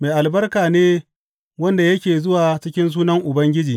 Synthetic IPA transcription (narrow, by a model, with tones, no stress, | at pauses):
meː˨ʔa˨lbɐ˦rkaː˨neː˦ | wɐ˦nda˨jɐ˦kʲeː˨zʊ˦waː˨t͡ʃɪ˦kʲɪ˦ns̬uː˦nɐ˦ŋʔʊ˨bɐ˦ŋɡʲɪ˦d͡ʒiː˨